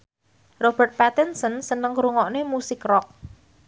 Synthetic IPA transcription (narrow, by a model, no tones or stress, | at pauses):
rob̥ərt̪̚pat̪ɛnsənsənəŋkɾuŋɔʔnemusɪkrɔk̚